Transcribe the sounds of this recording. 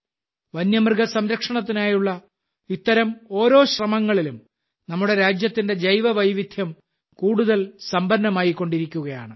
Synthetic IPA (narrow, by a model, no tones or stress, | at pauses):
ʋɐnjɐmrɡɐsɐmɾɐkʂɐɳɐt̪̬ːinaːjuɭːɐ | it̪ːɐɾɐmo̞ːɾo̞ːɕrɐmɐŋːɐɭilum | nɐmːuɽe̞ɾaːd͡ʑjɐt̪ːinde̞d͡ʑɐjʋɐʋɐjʋid̪ʱjɐm | kuːɽuðɐlsɐmbɐnːɐmaːjikːo̞ɳɖiɾikʲːuɣɐja̰ːɳɨ